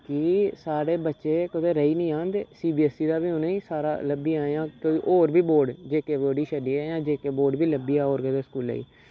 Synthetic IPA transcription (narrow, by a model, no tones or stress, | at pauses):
kisaːɾeːbətːʃeːkəd̪eːɾəiːnĩːãːnd̪eːsiːbiːɛsiːd̪aːbiːoneiːsaːɾa̰ːləbiːaːjãːkoːiːʔoːɾbiːboːɾɖd͡ʒeːkeːboːɽiːʃəɖiːɛːjãːd͡ʒeːkeːboːɾɖbiːləbiːaːoːɾkəd̪eːskuːlə̰ḭː